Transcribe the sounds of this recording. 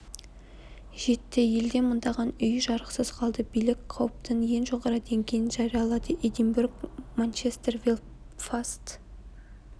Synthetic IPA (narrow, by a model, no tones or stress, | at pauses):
ʒ̥e̞t̪ːɪje̞ld̪e̞mənd̪ɑʁɑnʏjʒɑɾəqsəzqʰɑlˠd̪əbijlɪkqʰɑwəp̚t̪əɴje̞nʒoʁɑɾɑd̪e̞ŋɡʲe̞jɪnʒɑɾijɑlˠɑd̪əʔed̪imburɡmant͡ʃest̪ervel | fast̪